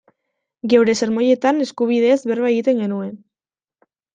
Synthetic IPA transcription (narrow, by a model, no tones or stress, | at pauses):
ɡe̞wɾe̞se̞ɾmo̞je̞t̪ane̞skuβ̞iðe̞zβe̞ɾβaeɣit̪e̞ŋɡe̞nue̞n